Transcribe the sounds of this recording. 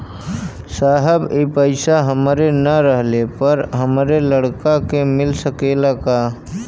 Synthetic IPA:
saːɦəbepəɪsaɦəmɾenəɾəɦlepəɾɦəmɾeləɽkakemɪlsəkeːlaka

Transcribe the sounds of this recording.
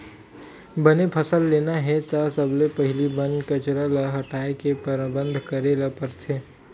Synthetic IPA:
bɐnepʰɐsəlːeːnaɦɛt̪asəblepɐɦɪlibɐ̃nkɐt͡ʃɾaləɦɐʈaːekepəɾbə̃nd̪ʱkɐɾelapəɾt̪ʰeː

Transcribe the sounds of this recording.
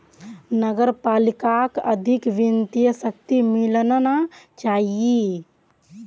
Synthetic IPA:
nəɡəɾpaːlɪkakə̰d̪ʱɪkʋɪnt̪ijəsək̚t̪imɪlnnat͡ʃaːɦie

